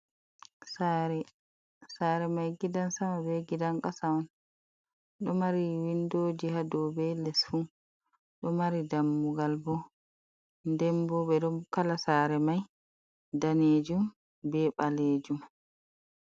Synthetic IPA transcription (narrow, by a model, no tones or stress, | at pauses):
saɾɛ | saːɾɛmajɡidansamabɛɡidaŋkasawɔn | ɗɔmaɾiwindoːd͡ʒihadɔbɛlɛsfu | ɗɔmaɾidamːuɡalbɔ | ndɛmbɔɓɛɗɔkalasaːɾɛmaj | daneːd͡ʒum | bɛɓaleːd͡ʒum